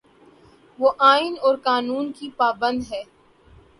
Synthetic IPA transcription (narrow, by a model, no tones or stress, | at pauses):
ʋoːʔaːɪnɔːɾkaːnuːnkipaːbə̃nd̪ɦɛː